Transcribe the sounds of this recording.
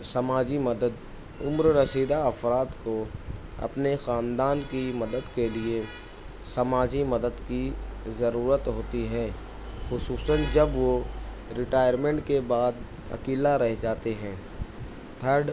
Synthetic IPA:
sɐmaːd͡ʒimɐd̪əd̪ | ʊmɾɾəsiːd̪aɐfɾaːt̪ko | ɐ̰pnexaːnd̪aːnkimɐd̪əd̪kelie | sɐmaːd͡ʒimɐd̪əd̪kizɐɾuːɾət̪ɦoːt̪iɦɛ̃ː | xʊsuːsə̃nd͡ʒɐbʋo | ɾɪʈaːjəɾmẽɳʈkebaːd̪ | ɐ̰kiːlaɾɛɦd͡ʒaːt̪eɦɛ̃ː | t̪ʰəɾɖ

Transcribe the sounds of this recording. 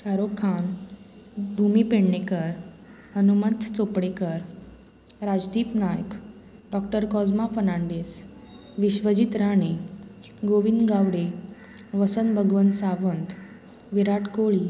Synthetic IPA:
kaɾokʰːan | bʱumipeɽɳekəɾ | ɦənumət̪t͡sopɽekəɾ | ɾad͡zd̪iːpnajək | ɖɔkʈəɾkɔd͡zmafənaɳɖes | ʋiɕʋəd͡ʑit̪ɾaɳ̃e | ɡoʋind̪ɡaʋɽe | ʋəsənbʱəɡʋənsaʋənt̪ | ʋiɾaʈkoɭiː

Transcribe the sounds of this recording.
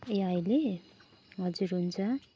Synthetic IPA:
eʌjle | ɦʌd͡zuɾɦunt͡sʰʌ

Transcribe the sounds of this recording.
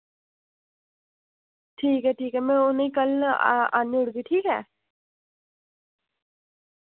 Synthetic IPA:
ʈʰiːkɛʈʰiːkɛmẽʊneikəl̰a̰nːiʊɽɡiʈʰiːkɛ̰ː

